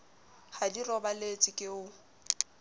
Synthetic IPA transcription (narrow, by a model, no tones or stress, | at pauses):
hadirɔbalet͡sʼɪkʼɪʊ